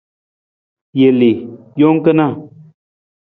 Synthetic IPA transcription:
je˨le˨ | jo˦ŋ˦kə˦na˦˨

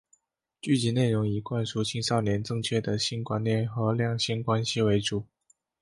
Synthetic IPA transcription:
t͡ɕy˥˩t͡ɕi˧˥ne˥˩ɪɻʊ˧˥ŋi˧˥kwa˥˧nʂu˥˩t͡ɕʰi˥ŋʂɑ˥˩ʊnjɛ˧˥nʈ͡ʂɤ˥˧ŋt͡ɕʰɥɛ˥˩d̪ə˩ɕi˥nkwa˥nnjɛ˥˩nxɤ˧˥ljɑ˥˧ŋɕi˥˩nkwa˥nɕi˨we˧˥ɪʈ͡ʂu˨˩˦

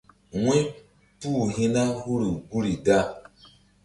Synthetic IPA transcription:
wĩ˦ | puː˦˨ɦĩ˦na˦hu˦ɾi˨ɡu˦ɾi˨da˦˨

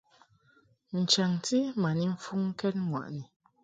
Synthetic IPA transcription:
n̩˨t͡ʃa˨ŋti˦ma˨ni˦m̩˦fu˦ŋ̩˦kɛ˦t̚ŋwa̰˨ʔni˨

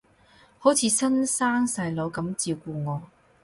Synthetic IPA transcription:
ho˨˥wt͡sʰiː˨˧˥sɐ˥nsaː˥ŋsɐ˧jlo˨˧wkɐ˨˥mt͡siː˧wkuː˧ŋɔː˨˧

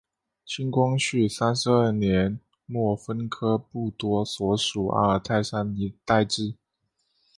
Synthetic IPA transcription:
t͡ɕʰi˥nkwɑ˥ŋɕy˥˩sa˥nʂɻ̩˧ə˞˥˩njɛ˧˦n | mwɔ˥˩fə˥nkʰɤ˥pu˥˩t̪wɔ˥swɔ˧˥ʂu˨˩ʔə̰˧˥ə˞˨˩t̪ʰa˥˧ɪʂa˥ni˧˥t̪a˥˧ɪʈ͡ʂɻ̩˥˩

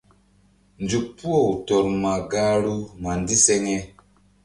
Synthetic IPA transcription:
nd͡ʒu˨k̚pu˦o˦˨u˨tɔ˨ɾma˨ɡa˦ɾu˦ma˨ndi˦se˦ŋe˦

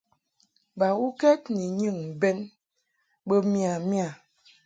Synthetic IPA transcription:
ba˨wu˦kɛ˦tni˨ɲi˦˨ŋ˨bɛ˦n | ɓə˦mi˦˨a˨mja˨

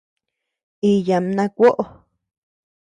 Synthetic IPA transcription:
i˧ja˨mnã˧kʷo˦ʔo˨˧

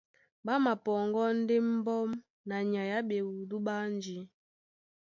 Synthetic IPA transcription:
ba˦ma˨pɔ˨ŋɡɔ˦n̩˦de˦m̩˦bɔ˦m | na˨ɲa˨ja˦be˨wu˨du˦ɓa˦n˦d͡ʒi˨˦

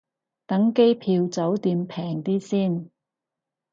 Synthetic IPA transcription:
t̪ɐ˨˥ŋke˥jpʰiː˧wt͡sɐ˨˥wt̪iː˧mpʰɛː˨˩ŋt̪iː˥siː˥˩n

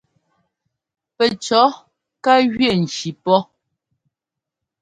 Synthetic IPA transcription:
pɛ˨t͡ʃɔ˨˦ | ka˦ɣɥjɛ˦˨n̩˨t͡ʃi˨pɔ˦

